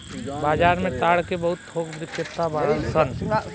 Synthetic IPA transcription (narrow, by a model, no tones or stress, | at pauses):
baːd͡ʒaːɾmẽt̪aːɽkebəɦʊt̪̚pʰoːkbɾɪkɪt̪ːabaɾə̃nsən